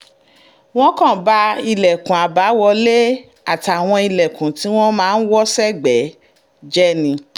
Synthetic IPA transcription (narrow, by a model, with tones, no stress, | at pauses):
w̃ɔ̃˦kã˦˨ba˦˧i˧lɛ˨kũ˨a˨ba˨˦wɔ˧le˦ | a˨ta˨w̃ɔ̃˧i˧lɛ˨kũ˨ti˨˦w̃ɔ̃˦mãː˦n̩˦wɔ˦sɛ˦ɡ͡bɛ˨˦ | d͡ʒɛ˦nĩ˧